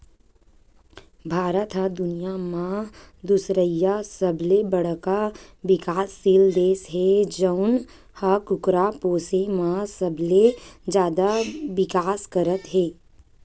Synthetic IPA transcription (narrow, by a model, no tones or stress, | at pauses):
bʱaːɾət̪ɦəd̪ʊnijamãd̪ʊsɾəjːasəblebəɽ̤kaʋɪkaːsːiːld̪eːsɦɛd͡ʒəʊn | hakʊkɾapoːsemãsəbled͡ʒjaːd̪aʋɪkaːskəɾət̪ɦɛː